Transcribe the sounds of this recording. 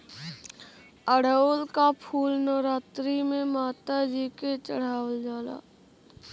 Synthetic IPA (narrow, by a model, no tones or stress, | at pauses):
əɽ̤əolkapʰuːlnɔːɾaːt̪ɾimẽmaːt̪ad͡ʒiket͡ʃəɽ̤aːwəld͡ʒaːla̰ː